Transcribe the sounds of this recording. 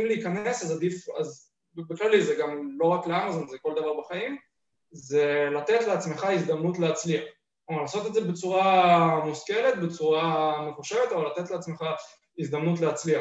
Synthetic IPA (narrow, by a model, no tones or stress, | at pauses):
imliːkane̞sazad̪ifa̰z | beklalizeɡamlo̞ʁakleamazo̞nzeko̞ld̪avaʁbaχaim | ze̞lat̪e̞t̪le̞at͡sme̞χaizd̪amnut̪leat͡sliaχ | omaʁlaːso̞t̪e̞dzebet͡suʁamuske̞let̪be̞t͡suʁame̞χuʃevet̪avalːat̪et̪leat͡sme̞χa | izd̪amnut̪leat͡slia